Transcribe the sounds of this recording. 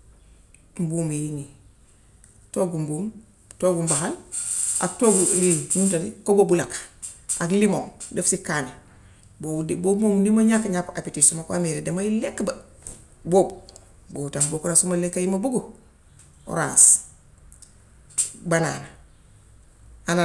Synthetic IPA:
m̩buːmjini | toɡumbuːm | toɡumbahala̰ktoɡuliɲuntaɾikobobulakaklimoŋdefsikːane | bodibomomdimoɲakːaɲapapitisumakwameɾedemailekːba | bob | botambokunasumalekːajimabuɡu | o̰ɾa̰ːs | bana̰na | ana

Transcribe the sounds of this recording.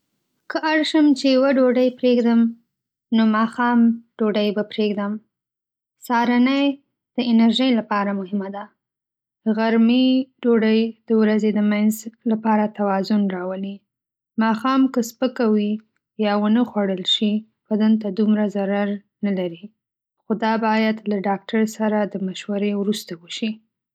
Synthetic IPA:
kəʔaɽʃəmt͡ʃejwaɖoɖəjpɾeɡd̪əm | nomɑxɑmɖ̥oɖəjbapɾeɡd̪əm | sɑɾanəj | d̪̥əɪnaɾʒəjlapɑɾamʊhɪmad̪a | əɣaɾmiɖoɖəjd̪̥əwɾazed̪əmanzlapɑɾat̪awɑzʊnɾɑwəli | mɑxɑmkəspəkawi | jɑwənəxwaɽəlʃi | pad̪ənt̪ad̪umɾazaɾaɾ | nalaɾi | xod̪ɑbɑjad̪laɖɑk̚ʈaɾsaɾad̪əmaʃwaɾewɾust̪awəʃi

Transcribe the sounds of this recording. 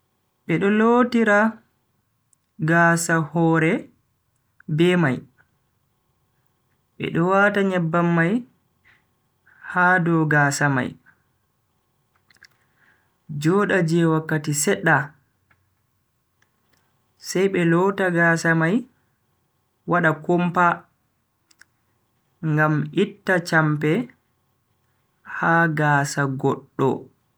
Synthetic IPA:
ɓɛɗɔloːtiɾa | ɡaːsahɔːɾɛ | bɛmaj | ɓɛ̰ɗɔwataɲɛbːamːaj | haːdɔɡaːsama̰j | d͡ʒɔːɗad͡ʒɛwakːatisɛɗːa | sɛjɓɛlɔtaɡaːsamaj | waɗakompa | ŋɡamitːat͡ʃampɛ | haɡaːsaɡɔɗːɔ̰

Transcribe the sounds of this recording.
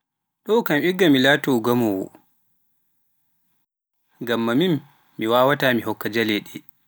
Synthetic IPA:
ɗɔwkamʔiɡːamilaːtɔɡamɔwɔ̰ | ŋɡamːamimː | iwaːwataːmiɦɔkːad͡ʒalɛɗi

